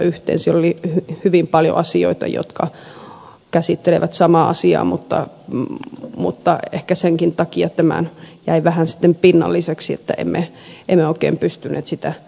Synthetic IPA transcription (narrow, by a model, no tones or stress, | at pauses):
yht̪ḛːnsilːolihyhyʋimpɑljo̰ʔɑsio̰it̪ɑ̰jo̰t̪kɑ | kæsit̪ːeleʋæt̪sɑmɑːɑsiɑ̰ːmut̪ːɑ̰ | mṵt̪ːɑehkæseŋkint̪ɑkiɑt̪æmæ̰njæiʋæhænsi̥t̪ːempinːɑ̰lːiseksiet̪ːæʔḛmːe | ʔemːeoikḛːmpyst̪ynːʔḛːt̪sit̪æ